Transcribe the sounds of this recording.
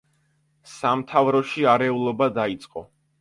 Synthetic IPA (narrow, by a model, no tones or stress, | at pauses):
samt̪ʰavɾɔʃiaɾɛulˠɔbad̪ait̪sʼqʼɔ